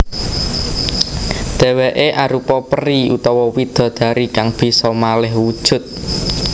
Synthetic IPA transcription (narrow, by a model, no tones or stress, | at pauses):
d̪̥e̤weʔeʔaɾupɔpəɾiṵt̪ɔwɔwid̪̥ɔ̤d̪̥ä̤ɾikaŋb̥i̤sɔmalɪɦwud̥ʒ̥ʊ̤t̪̚